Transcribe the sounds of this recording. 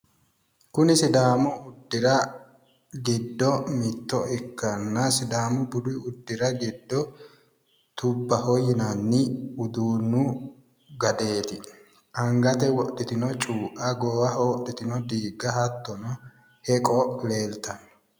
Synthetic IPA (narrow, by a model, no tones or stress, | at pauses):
kʊnɪsɪd̪aːmɔʊd̪ːɪɾɐ | ɡɪd̪ːɔmɪt̪ːɔɪkːɐnːɐsɪd̪aːmʊbʊd̪ɪʊd̪ːɪɾɐɡɪd̪ːɔ | t̪ʊbːɐhɔjɪnɐnːɪʊd̪uːnːʊ | ɡɐd̪e̞ːt̪ɪ | ʔɐŋɡɐt̪ɛwɔʔːɪt̪ɪnɔt͡ʃʼuːʔɐɡɔːwɐhɔwɔʔɪt̪ɪnɔd̪iːɡːɐhɐt̪ːɔnɔ | hɛkʼɔleːlt̪ɐnːɔ